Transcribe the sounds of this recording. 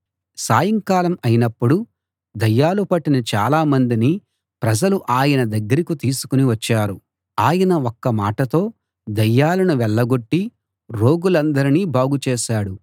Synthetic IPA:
saːjɐŋkaːlɐmɐjinɐpːuɽu | d̪ɐjːaːlupɐʈːinɐt͡ʃa̰ːlaːmɐnd̪ini | pɾɐd͡ʒɐluʔaːjɐnɐd̪ɐɡːɐɾikut̪iːsu̥kuniʋɐt͡ʃːaːɾu | aːjɐnɐokːɐmaːʈɐt̪o̞ː | d̪ɐjːaːlɐnuʋɛɭːɐɡo̞ʈːi | ɾo̞ːɡulɐnd̪ɐɾiniːbʱaːɡut͡ʃeːʃaːɽu

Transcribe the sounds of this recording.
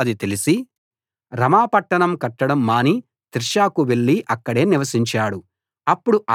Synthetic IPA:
d̪it̪e̞lisi | ɾɐmaːpɐʈːɐɳɐmkɐʈːɐɽɐmːaːni | t̪ɾʃaːkuʋe̞ɭːiʔɐkːɐɽe̞ːniʋɐsiɲt͡ʃaːɽu | ɐpːuɽuʔa

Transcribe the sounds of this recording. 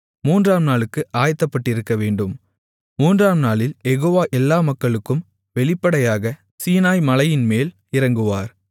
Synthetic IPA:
muːndraːmnaːlɯkːɯʔaːjt̪ːɐpːɐʈːɪɾɯkːɐʋeːɳɖɯm | muːndraːmnaːɭɪljɛɣoːʋaːʔɛlːaːmɐkːɐɭɯkːɯm | ʋɛɭɪpːɐɽɐjaːɣɐ | siːnaːjmɐlɐjɪnmeːl | ɪɾɐŋɡɯʋaːɾ

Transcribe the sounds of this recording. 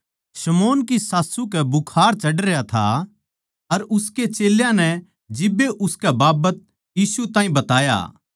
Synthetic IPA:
sɐmoːnkisaːsukɛbʊkʰaːɾt͡ʃɐɖɾejat̪ʰa̰ | ɐɾʊsket͡ʃeːljãnɛ | d͡ʒɪbːeʔʊskɛbaːbət̪̚ | jiːsut̪ãːĩbɐt̪aːja̰ː

